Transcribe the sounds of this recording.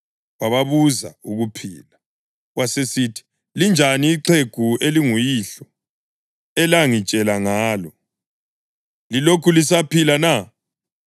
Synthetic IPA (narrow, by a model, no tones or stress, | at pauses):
waβaβuza̰uɣupʰḭːla | wasesitʰi̥ | lind͡ʒʱaniːǁʰeɡ̥ʱueliŋujiɬɔ | ɛlaŋit͡ʃʼɛlaŋaːlɔ | lilokʰulisapilana